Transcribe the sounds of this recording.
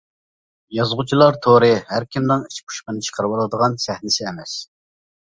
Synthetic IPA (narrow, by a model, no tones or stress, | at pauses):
jɑzʁʊt͡ʃʰilˠɑɾt̪ʰoɾɨhæɾkʲʰimnɨŋit͡ʃpʰu̥ʃqənɨt͡ʃʰə̥qʰəɾɨwɑlˠɨd̪əʁɑnsæhnɪsɪɛmɛs